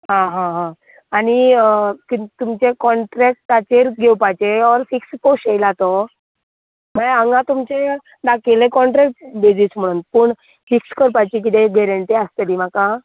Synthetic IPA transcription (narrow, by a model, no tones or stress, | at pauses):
ɦãɦãɦã | aɽ̃ikit̪umt͡ɕekɔɳʈɾɛk̚ʈːat͡ɕeɾɡʱewpajt͡ɕeɔɾfiksposʈejlat̪ɔ | m̤aɭaəŋɡãt̪umt͡ɕe | d̪akelẽkɔɳʈɾɛk̚ʈbid͡ʑism̤əɽ̃uːnpəɳ | fikskəɾpajt͡ɕik̬it̪eɡɛɾəɳʈiast̪əd̪im̤aka